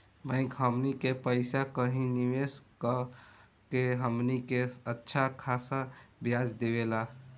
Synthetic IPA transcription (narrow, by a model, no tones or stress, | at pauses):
bʱə̃ɪ̃kɦəmnikepəɪsakəɦĩniʋeskə | keɦəmnikeətːʃʰakʰasabjad͡ʒd̪ebela